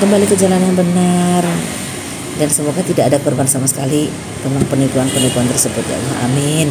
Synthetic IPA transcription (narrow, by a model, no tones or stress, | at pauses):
kəmbalikəd͡ʒalanjaŋbənar | dansəmuɡat̪idaʔːdakɔrbansamasə̥kali | memaŋpənikuanpənikuant̪ərsəbʊt̪ja̰laha̰mɪn